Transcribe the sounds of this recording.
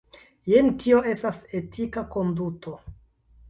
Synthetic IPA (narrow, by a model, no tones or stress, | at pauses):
jentio̞ʔe̞stase̞tʰikako̞nduto̞